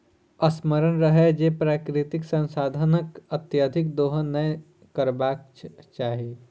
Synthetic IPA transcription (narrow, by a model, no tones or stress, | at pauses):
əsməɾənɾəɦɛd͡ʒepɾaːkɾɪt̪ɪksə̃nsaːd̪ʱənəkət̪jad̪ʱɪk̚d̪oːɦə̃nə | kəɾbaːk̚ | t͡ʃaːɦie